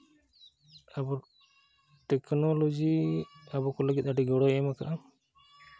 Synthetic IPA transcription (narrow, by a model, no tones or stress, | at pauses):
abɔ | ʈɛknɔlod͡ʒiabɔkɔləɡit̪̚ˀaʈiɡɔɽɔɛmaka̰ʔa